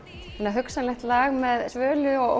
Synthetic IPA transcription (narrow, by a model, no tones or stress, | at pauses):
hɛnːaɦʏksalɛxt̪laːɣmɛðsvœːlʏɔɣo̰